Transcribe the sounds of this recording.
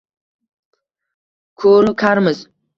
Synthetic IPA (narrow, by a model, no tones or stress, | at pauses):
kʰoɾkʰaɾmɨz